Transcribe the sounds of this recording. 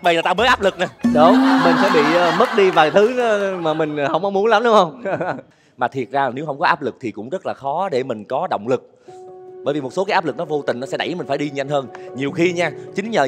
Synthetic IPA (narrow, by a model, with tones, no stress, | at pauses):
ɓa˧˩jaː˨˩t̪aː˧mə˨˦jʔaː˦˥p̚lɨ˨˩k̚naː˨˩ɗo˨˦ŋ͡mmï˨˩ŋ̟sɛ̰˧˥˩ɓḭ˧˨əː˨mə˦˥t̚ɗi˧vaː˨˩jt̪ʰɨ˨˦˨maː˨˩mï˨˩ŋ̟˩hə˧˩wŋ͡mʔə˧wŋ͡mmu˨˦ənla˨˦mɗʊ˨˦wŋ͡mhə˧wŋ͡m | maː˨˩t̪ʰi˨˩ət̚zaː˧˩ne˨˦wɦə˧wŋ͡mkɔ˨˦aː˦˥p̚lɨ˨˩k̚t̪ʰi˨˩kʊ̰˧˥ŋ͡mzə˦˥t̚laː˨˩xɔ˨˦ɗe˧˩mï˨˩ŋ̟kɔ˨˦ɗə̰˧˨wŋ͡mlɨ˨˩k̚ | ɓəː˧˩jvi˨˩mo˨˩t̚so˨˦aː˨˦jaː˦˥p̚ɨ˨˩k̚nɔ˨˦vo˧t̪ï˨˩ŋ̟nɔ˨˦sɛ˧˥ɗa˧˩jmï̟˨˩faː˧˩jɗi˧ɲa˧jŋ̟həː˧nɲi˨˩əwxi˧ɲaː˧t͡ɕï˨˦ŋ̟ɲəː˨˩